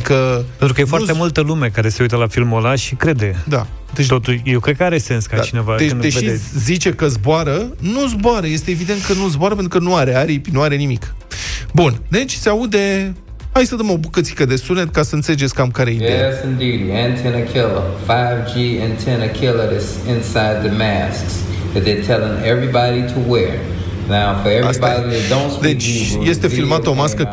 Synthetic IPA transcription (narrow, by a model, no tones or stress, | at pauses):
kəent̪ɾukəjefoaɾt̪emult̪əlume̞kaɾese̞ujt̪əlafilmolaʃikɾe̞d̪ed̪a̰ | d̪et͡ʃt̪o̞t̪uʃjewkɾed̪kəaɾe̞se̞nskaat͡ʃine̞vad̪end̪eʃeiezit͡ʃe̞kəzboaɾənuzboaɾəje̞st̪eːvid̪ent̪̚kənuzboaɾəpet̪ɾukənuaɾe̞aɾipinuaɾe̞nimikbund̪e̞t͡ʃʲseaud̪e̞ | hajsəd̪əmo̞bukət̪si̥kəd̪e̞sunet̪kasəɨnseled͡ʒeskamkaɾeid̪ejsɨ̃ndʉɾiɨ̃ntʰɛ̃nɨkʰɪlˠə̰faɪvd͡ʒiɨ̃ntʰɛ̃nɨkʰɪlˠə˞ɨs | ɪ̃nsaɪd̪̚ðɨmæsks | ɨt̪̚ðə˞tʰɛlˠɪ̃ŋɛvɹibɑɾiɾəwɛɹ | naʊfə˞ɛvasbɑɾiðɨdõʊ̃ntsd̪et͡ʃje̞st̪efilmat̪əomaskə